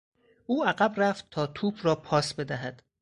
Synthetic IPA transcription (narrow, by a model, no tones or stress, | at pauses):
ʔuːæɢæbræft̪t̪ʰɒːt̪ʰuːbrɒːpʰɒːsbe̞d̪æɦæd̪̥